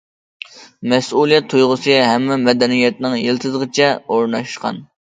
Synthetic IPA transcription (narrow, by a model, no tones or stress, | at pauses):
mɛsulˠijɛt̪ʰːujʁʊsɨɦɛmːɛmɛd̪ɛnijɛt̪nɪŋjelˠt̪ʰɨzəʁɨt͡ʃʰɛoɾnɑʃqɑ̰n